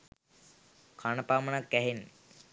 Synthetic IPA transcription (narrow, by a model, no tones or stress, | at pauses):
kʰanəpaːmənakːæɦenːi